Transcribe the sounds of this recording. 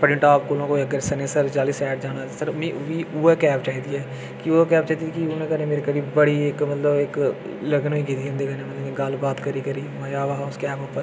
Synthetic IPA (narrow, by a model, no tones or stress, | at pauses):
pəɾɪ̃ɳʈaːp̚koːlõːkoːiːəɡəɾsəneːsəɾd͡ʒaːliːsɛːʈ̚d͡ʒaːɽ̃aːsəɾmĩʋiːuːɛkɛːpt͡ʃaːiːd̪iːɛː | kioːkɛːp̚t͡ʃaːiːd̪iːkiʊnẽːkəɾnẽːmeːɾeːkəɾiːbəɽiːɪkmət̪ləbɪk | ləɡnoːiːkiːt̪iːɦə̃nd̪eːkəɾnẽːmət̪ləbkiɡəlbaːt̪kəɾiːkəɾiːmad͡ʒaːʋaɦaːskɛːpoːpːəɾ